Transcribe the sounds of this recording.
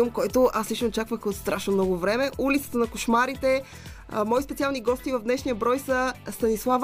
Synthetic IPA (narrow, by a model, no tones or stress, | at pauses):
mkɔjt̪oʔaslit͡ʃnot͡ʃakvəxot̪st̪ɾaʃnomnɔɡʊvɾɛmɛʔulit̪sə̥t̪ənɐkoʃmaɾit̪ɛ | mɔispɛt̪sialˠniɡɔst̪ivɐvd̪nɛʃnijəbɾɔjsəst̪ɐnislˠav